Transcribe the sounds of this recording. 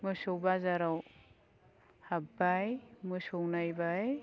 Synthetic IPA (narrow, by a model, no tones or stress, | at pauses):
mɯsɔwbazaɾaw | habajmɯsɔwnajbaj